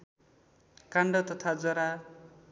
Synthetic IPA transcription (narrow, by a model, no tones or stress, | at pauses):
kaɳɖʌt̪ʌt̪ʰad͡zʌɾa